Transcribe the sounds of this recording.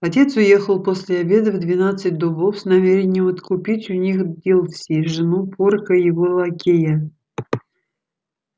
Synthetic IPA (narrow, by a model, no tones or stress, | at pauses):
ɐtʲe̞t̪sʊje̞xəlˠposʲlʲɪɐbʲe̞d̪əvd̪vʲɪnat̪sɨt̚ʲd̪obofsnɐmʲeɾʲɪnʲɪjəmɐt̪kʊpʲitʲʊnʲixdʲilˠfsʲiʐɨnupʰorkəjɪvolˠɐkʲejə